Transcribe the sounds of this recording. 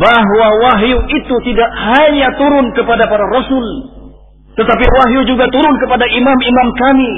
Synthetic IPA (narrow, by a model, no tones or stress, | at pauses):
baɦwawaɦiuit̪ut̪idaʔhaɲat̪uɾʊnkəpadapaɾaɾɔsʊl | t̪ət̪apiwaɦiud͡ʒuɡat̪uɾʊnkəpadaʔimamimamkami